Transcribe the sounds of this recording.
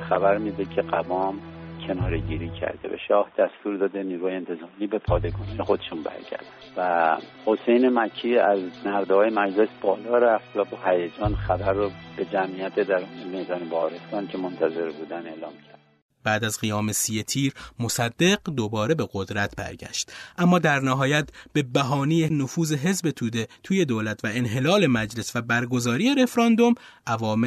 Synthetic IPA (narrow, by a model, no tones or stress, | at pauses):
xæbæɾmiːd̪ecʰe̞ɢævɒːmcʰe̞nɒːɾeɟiːɾiːcʰæ̰ɾd̪ḛvæ̰ʃɒːhd̪̥æst̪uːɾd̪ɒːd̪eniːɾuhɒːjeent̪ʰe̞zɒːmiːbe̞pʰɒːd̪eɡɒːnijexod̪eʃunbæ̰ɾɟæ̰ɾd̪ænvæ | ho̞sejnemæcʰːiːæznæɾd̪hɒːjemæd͡ʒlesb̥ɒːlɒːɾæft̪væbɒhæjæd͡ʒɒːnxæbæɾːɔb̥ed͡ʒæmijæt̪ʰed̪æɾmed̪ɒːnebɒɒɾest̪ɒːncʲʰemont̪ʰæze̞ɾbuːd̪æne̞ːlɒːmcʰæɾd̪̥ | b̥æːd̪æzɢijɒːme̞siet̪ʰiːɾmo̞sæd̪ːe̞ɡd̪o̞bɒːɾe̞be̞ɣod̪ɾæt̪ʰbæ̰ɾɟæ̰ʃt̪ʔæmːɒːd̪æɾnæɦɒːjæt̪b̥e̞bæɦɒːnijenofuːze̞ɦe̞zbe̞t̪ʰuːd̪et̪ʰuːje̞d̪oːlæt̪ʰvæenɦe̞lɒːle̞mæd͡ʒle̞svæbæɾɡo̞zɒːɾiːeɾe̞fɾɒnd̪o̞m | ʔævɒːm